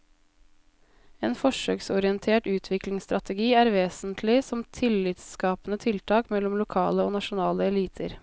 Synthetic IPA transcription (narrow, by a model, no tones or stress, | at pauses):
eːnfɔʂø̰ːksɔɾɪənt̪ʰeːʈʉːt̪ʰʋɪklɪŋst̪ɾɑt̪ɛɡiːæːɾʋeːsnt̪ʰlɪsɔmt̪ʰɪlːɪt̪sskɑːpənət̪ʰɪlt̪ʰɑːkmɛlɔmlʊkʰɑ̰ːləoːnɑʃʊnɑːləɛliːt̪ʰə̰ɾ